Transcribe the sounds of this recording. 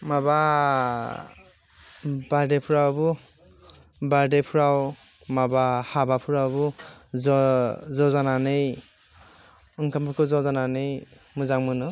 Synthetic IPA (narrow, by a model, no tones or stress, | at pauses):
maba | baɾdepʰuɾawbu | baɾdepʰuɾaw | mabahabapʰuɾawbu | zɔzananɯj | ɯŋkʰampʰɯkʰɯzɔzananɯj | muzaŋmɯnɯ